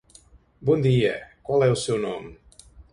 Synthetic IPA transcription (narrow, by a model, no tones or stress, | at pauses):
bɔnd̪iə̰kwalɛlˠsɛwnɔm